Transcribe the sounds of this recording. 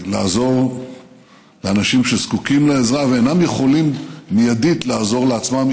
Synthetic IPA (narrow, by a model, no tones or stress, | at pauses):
laːzo̞ʁ | leanaʃimʃezkukimleezʁaveːnamjeχo̞limːijad̪it̪laːzo̞ʁleat͡smam